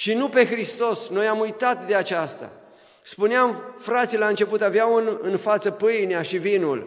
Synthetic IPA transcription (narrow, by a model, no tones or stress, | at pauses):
ʃinupe̞xɾist̪o̞sno̞jamujt̪at̪̚d̪e̞at͡ʃast̪a̰ | spuneamfɾat̪silaɨnt͡ʃe̞put̪aveawɨnɨnfat̪səpɨjneaʃivinul